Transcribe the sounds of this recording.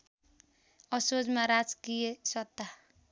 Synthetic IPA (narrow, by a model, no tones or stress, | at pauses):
ʌsod͡ʒmaɾad͡zkijesʌt̪ːa